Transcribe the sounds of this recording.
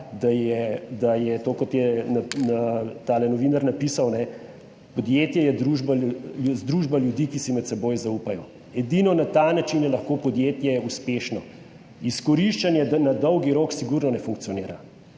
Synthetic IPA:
d̪ajɛd̪ajɛt̪oːkɔt̪jɛnanat̪aːlɛnɔʋinaɾnapisawnɛ | pɔd̪jet̪jɛjɛd̪ɾuʒbauzd̪ɾuʒbaljud̪ikisimɛt̪sɛboːjzaupajɔ | ɛd̪inɔnat̪anat͡ʃinjɛlɐxkoːpɔd̪jeːt̪jɛɛuspeːʃnɔ̰ | iskɔɾiʃt͡ʃanjɛd̪anad̪ɔwɡiɾoːksiɡuɾnɔnɛfuŋk̚t̪ijɔneːɾa

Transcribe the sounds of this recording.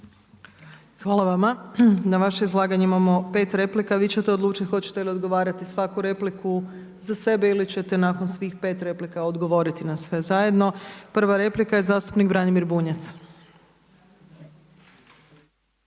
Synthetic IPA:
xʋaːlˠaʋamanaʋaʃeizlˠaːɡaɲeimamo̞pe̞ːt̪ɾe̞plikaʋiːt͡ɕe̞t̪eod̪luːt͡ʃit̪xo̞t͡ɕe̥t̪eilio̞d̪ɡo̞ʋaːɾat̪isʋakuɾe̞pliku | zase̞beilit͡ɕe̞t̪e̞naːko̞nsʋiːxpe̞ːt̪ɾe̞plikaod̪ɡo̞ʋo̞ɾit̪inasʋe̞zaje̞d̪no̞pr̩ʋaɾe̞plikaje̞zaːst̪u̥pniɡbɾanimiɾbuːɲat̪s

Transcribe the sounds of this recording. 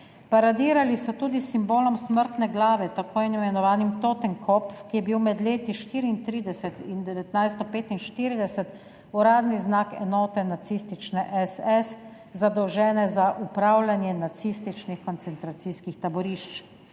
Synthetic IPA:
paɾad̪iːɾalisɔt̪uːd̪isimboːlɔmsməɾt̪nɛɡlaːʋɛt̪akoːjinimɛnɔʋaːnimt̪oːt̪ɛŋkʰɔpfkijɛbiwmɛd̪leːt̪iʃt̪iːɾiːnt̪ɾiːd̪ɛsɛt̪ind̪ɛʋɛt̪najst̪ɔpeːt̪inʃt̪iːɾid̪ɛsɛt̪ | uɾaːd̪niznaːkɛ̰nɔːt̪ɛnat̪siːst̪it͡ʃnɛʔɛsɛs | zad̪ɔwʒɛːnɛzaʔupɾaːwlʲanjɛnat̪siːst̪it͡ʃnixkɔnt̪sɛnt̪ɾat̪siskixt̪abɔɾiʃt͡ʃ

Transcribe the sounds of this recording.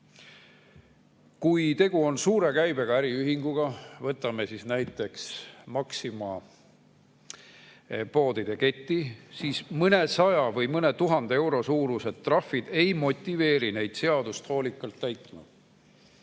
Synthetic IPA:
kujt̪e̞ɡ̥uo̞nsuːɾe̞kæjbe̞ɡ̥ɑæɾiyɦiŋɡ̥uɡ̥ɑvɤt̪ːˑɑme̞sisnæjt̪ːˑe̞ksmɑksimɑ | po̞ːd̪id̪̥e̞ke̞t̪ʲːisiːsmɤne̞sɑjɑvɤjmɤne̞t̪uɦɑnd̪̥ee̞wɾo̞suːɾuse̞ˑrɑfːid̪̥e̞jmo̞t̪ʲːive̞ːɾine̞jd̪̥se̞ɑd̪̥ust̪ho̞ːlʲikːˑɑlt̪ːæjt̪ˑːunṵd̪̥

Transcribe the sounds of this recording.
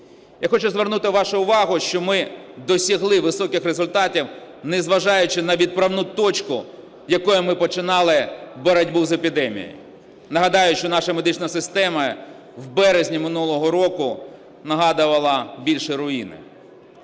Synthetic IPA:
jaxɔt͡ʃʊzʋernut̪ɪʋɑʃʊʊʋɑɦʊʃt͡ʃɔmɪd̪ɔsʲiɦlˠɪʋɪsɔkɪxrezʊlʲt̪ɑtʲiw | nɛzʋɐʒɑjʊt͡ʃɪnɐʋʲid̪̚pɾɐwnut̪ɔt͡ʃkʊ | jɐkɔjʊmɪpɔt͡ʃɪnɑlˠɪbɔɾɐdʲbuzepʲid̪ɛmʲḭj̰jʊ | nɐɦɐd̪ɑjʊʃt͡ʃɔnɑʃɐmed̪ɪt͡ʃnɐsɪst̪ɛmɐ | wbɛɾezʲnʲimɪnulˠɔɦɔɾɔkʊ | nɐɦɑd̪ʊʋɐlˠɐbʲilʲʃɛɾʊinɪ̰

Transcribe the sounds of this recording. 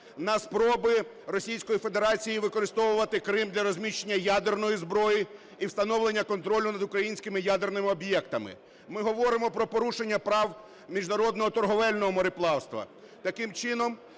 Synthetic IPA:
nɐspɾɔbɪ | ɾɔsʲijsʲkɔjife̞d̪eɾɑt͡sʲijiʋɪkɔɾɪst̪ɔʋʊʋɐt̪ɪkɾɪmd̪lʲɐɾɔzʲmʲiʃt͡ʃːenʲːɐjad̪ernɔjizbɾɔji | iwst̪ɐnɔʋlˠenʲːɐkɔnt̪ɾɔlʲʊnɐd̪ʊkɾɐjinʲsʲkɪmɪjad̪ernɪmɪɔbʲjɛkt̪ɐmɪ̰ | mɪɦɔʋɔɾɪmɔpɾɔpɔɾuʃe̞nʲːɐpɾɑw | mʲiʒnɐɾɔd̪nɔɦɔt̪ɔrɦɔʋɛlʲnɔɦɔmɔɾɪplˠɑwst̪ʋɐ̰ | t̪ɐkɪmt͡ʃɪnɔm

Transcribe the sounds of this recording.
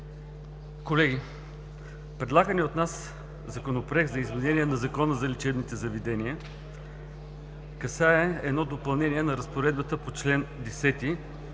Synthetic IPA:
kolɛɡʲi | pɾɛd̪lˠaɡəniot̪nas | zɐkonopɾɛɡ̪zɐizmɛnɛniɛnɐzɐkɔnəzɐlɛt͡ʃɛbnit̪ɛzɐvɛd̪ɛniə | kɐsaɛɛd̪nɔd̪opɐlˠnɛniɛnɐɾɐspoɾɛd̪̚bət̪əpot͡ʃlɛnd̪ɛsɛt̪i

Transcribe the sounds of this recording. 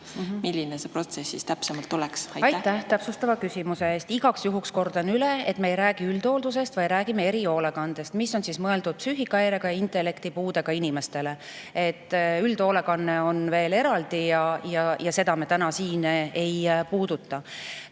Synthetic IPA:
milːinesepro̞t̪sesːist̪æpsemɑlt̪ːulɛksɑjɑjt̪ːæht̪æpsust̪ɑvɑkysʲimuse̞eːst̪iɡ̥ɑksjuɦuksko̞rd̪̥ɑnyleet̪me̞ejɾæːɡ̥iyld̪̥o̞ːld̪us̬e̞st̪vɑjɾæːɡ̥imee̞ɾio̞ːle̞kɑnd̪̥e̞st̪miso̞nsismɤe̞ld̪ud̪̥̚psyːɦikːˑɑeɾe̞ɡ̥ɑjɑint̪e̞lːe̞kt̪ipuːd̪̥e̞ɡ̥ɑinime̞st̪e̞le̞ | et̪ˑːyld̪̥o̞ːle̞kɑnːe̞o̞nve̞ːle̞ɾɑld̪̥ijɑjɑjɑse̞d̪ɑmet̪ænɑsiːne̞jpuːd̪̥ut̪ːɑ

